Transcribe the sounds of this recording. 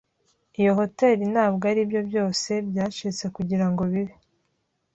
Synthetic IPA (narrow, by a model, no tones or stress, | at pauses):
ijo̞ɦo̞te̞ɾinaːbɡaɾibjo̞bjo̞ːse̞bjaːʃit͡se̞kuɟiɾaŋɡo̞βiβi